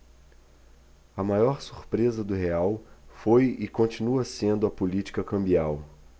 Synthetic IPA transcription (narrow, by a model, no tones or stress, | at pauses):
ɐmajɔɾsu̥ɾpɾezɐd̪ʊɦeawfojɪkõt͡ʃinuɐsẽnd̪ʊɐpulit͡ʃi̥kɐkɐ̃mbiaw